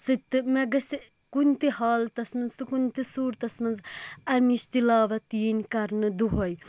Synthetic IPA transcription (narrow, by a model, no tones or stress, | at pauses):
sɨt̪ːɨmeɡɐsi | kunt̪ihaːlt̪ɐsmɐnzt̪ukunt̪isuːɾt̪ɐsmɐnzɐmiʃt̪ilaːʋɐt̪iːnkɐɾnɨd̪uɦoj